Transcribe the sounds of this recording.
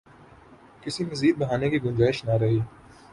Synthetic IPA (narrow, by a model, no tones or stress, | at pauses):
kɪsimɐziːd̪̚bɐɦaːnekiɡʊ̃nd͡ʒaːɪʃnɐɾɐɦiː